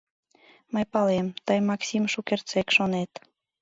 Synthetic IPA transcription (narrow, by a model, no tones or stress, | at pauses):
məjpɑlemt̪əjmɑksimʃukert͡sekʃonet̪